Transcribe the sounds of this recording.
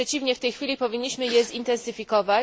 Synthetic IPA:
ɛt͡ɕivɲɛft̪ɛjxfʲilʲipɔvʲiɲːiɕmɘjɛzint̪ɛnsɘfʲikɔva

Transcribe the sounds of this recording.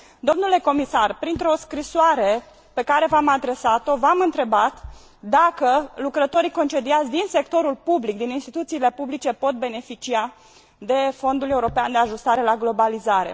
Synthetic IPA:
d̪o̞mnule̞ko̞misarpɾint̪ɾo̞skɾisoaɾe̞ | pe̞kaɾe̞vamad̪ɾe̞sat̪o̞vamɨnt̪ɾe̞bat̪ | d̪akəlukɾət̪o̞ɾiko̞nt͡ʃe̞d̪iat̪zʲd̪inse̞kt̪o̞ɾulpublik̚d̪ininst̪it̪ut̪siːle̞publit͡ʃe̞po̞t̪̚be̞ne̞fit͡ʃia | d̪e̞fo̞nd̪ule̞uɾo̞peand̪e̞aʒust̪aɾe̞laɡlo̞balizaɾe̞̰

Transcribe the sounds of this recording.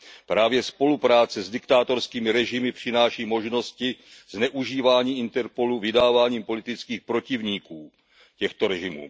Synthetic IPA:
pɾaːvjɛspo̞lupɾaːt͡sɛzdɪkt̪aːt̪o̞ɾskiːmɪɾɛʒɪmɪpr̝̥ɪnaːʃiːmo̞ʒno̞scɪz̥nɛʔuʒiːvaːɲiːɪnt̪ɛɾpo̞luvɪdaːvaːɲiːmpo̞lɪt̪ɪt͡skiːxpɾo̞cɪvɲiːkuː | cɛxt̪o̞ɾɛʒɪmṵː

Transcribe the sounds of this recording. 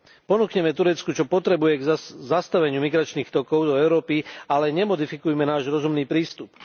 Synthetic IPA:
pɔnuːkɲɛmɛt̪uɾɛt͡skut͡ʃɔpɔt̪ɾɛbujɛɡzast̪aʋɛɲɪumiɡɾat͡ʃniːxt̪ɔkɔʊd̪ɔɛʊɾɔːpialɛɲɛmɔd̪ifikujɛmɛnaːʒɾɔzumniːpɾiːst̪up

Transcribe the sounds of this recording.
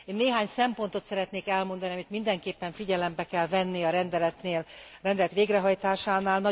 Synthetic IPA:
eːnːeːɦaːɲsɛmpo̞nt̪o̞t̪sɛɾɛt̪neːkɛlmo̞nd̪ɒniɒmit̪mind̪ɛŋkeːpːɛɱfiɟɛlɛmbɛkɛlvɛnːiɒɾɛnd̪ɛlɛt̪neːlrɛnd̪ɛlɛt̪ʋeːɡrɛɦɒjt̪aːʃaːnaːlnɒ

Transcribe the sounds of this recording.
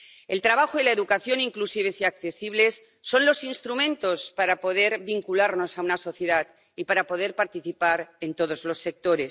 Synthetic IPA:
ḛlt̪ɾaβaxoilaeðukaθjo̞niŋklusiβ̞esiakθe̞siβ̞le̞sː | o̞nlo̞sinst̪ɾumẽnt̪o̞spaɾapo̞ð̞e̞ɾβiŋkulaɾno̞saunaso̞θje̞ðat̪ | ipaɾapo̞ð̞e̞ɾpaɾt̪iθipaɾe̞nt̪o̞ð̞ozlo̞sːe̞k̚t̪o̞ɾe̞s

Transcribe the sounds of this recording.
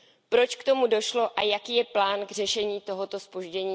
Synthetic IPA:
pɾo̞t͡ʃkt̪o̞mudo̞ʃlo̞ʔajakiːjɛplaːnɡr̝ɛʃɛɲiːt̪o̞ɦot̪o̞spo̞ʒɟɛɲiː

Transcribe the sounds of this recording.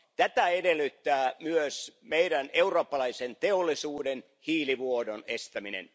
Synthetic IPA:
t̪æt̪æedelːˑyt̪ːæːmyøsmeiɾæneuroːpːɑlɑisent̪eolːˑisuːden | hiːliʋuodonest̪æminḛn

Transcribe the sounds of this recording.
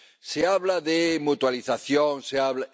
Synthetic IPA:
seaβlaðemut̪waliθaθjoŋseaβla

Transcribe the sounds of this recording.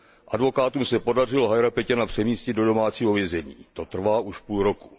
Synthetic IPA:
ʔadvo̞kaːt̪umsɛpo̞dar̝ɪloɦajɾapɛcanapr̝̥ɛmiːscɪd̪do̞do̞maːt͡siːɦovjɛzɛɲḭːt̪o̞t̪r̩vaːʔuʃpuːlɾo̞ku̥

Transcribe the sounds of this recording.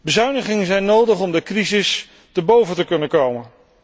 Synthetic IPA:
bəzœɥnəχɪŋəzɛjnːowdəχɔmdəkrizɪs | təɹbowvətəkɵnəkowmən

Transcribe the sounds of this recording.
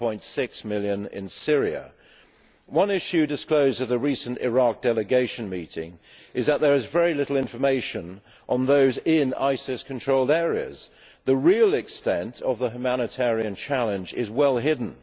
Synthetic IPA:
ɔ̃ɪ̃ntsɪksmɪlˠjɨ̃nɪ̰̃nsɪɹiɨ̰ | wʌ̃nɪʃʉdɨskloʊzɨðɨɹisə̃ntɪ̰ɹɑk̚d̥ɛlˠɨɡeɪʃɨ̃nmiɾɪ̰̃ŋ | ʔɨzðət̪̚ðə˞ɨzvɛɹilɪɾl̩ˠɪ̃ɱfə˞meɪʃɨ̃n | ʔə̃nðoʊzɪ̃na̰ɪsɪskʰn̩tʰɹ̥oʊlˠdɛɹiɨ̰z̥ | ðəɹilˠɪkstɛ̃ntʰəvðəɦjʉmænɨtʰɛɹiɨ̃nt͡ʃʰælˠə̃nd͡ʒɪzwɛlˠɦɪdⁿn̩

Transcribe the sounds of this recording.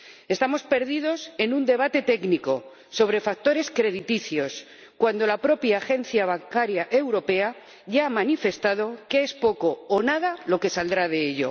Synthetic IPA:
e̞st̪amo̞spe̞ɾðiðo̞se̞nũnd̪e̞β̞at̪e̞t̪e̞ɡniko̞ | so̞β̞ɾe̞fak̚t̪o̞ɾe̞skɾe̞ðit̪iθjo̞s | kwand̪o̞lapɾo̞pjaːxe̞n̟θjaβ̞aŋkaɾjaʔe̞wɾo̞pe̞a | ʝaamanife̞st̪að̞o̞keespo̞ko̞ːnaðalo̞ke̞sald̪ɾaðe̞eʎo̞̰

